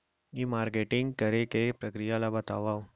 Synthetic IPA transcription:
imaːɾkeːʈɪ̃ŋɡkɐɾekepɾɐkɾijalabɐt̪a̰ːʋaːo

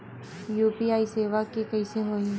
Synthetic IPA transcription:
juːpiːaːiseːʋakekəɪseɦoːĩː

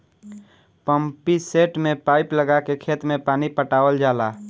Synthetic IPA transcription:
pəmpiseːʈmẽpaːɪpləɡakekʰeːt̪mẽpaːnipəʈaːwəld͡ʒaːlaː

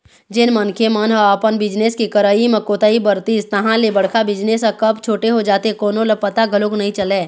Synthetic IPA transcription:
d͡ʒɪnmɐnkʰemanɦəːpənbɪd͡ʒneskikɐɾaːimẽkoːt̪aːibəɾt̪iːst̪ɐɦãlebɐɽ̤kʰabɪd͡ʒnesɐkɐbt͡ʃʰoːʈeɦod͡ʒaːt̪ekoːnõlepɐt̪aɡɐloknɐɦĩt͡ʃɐleː

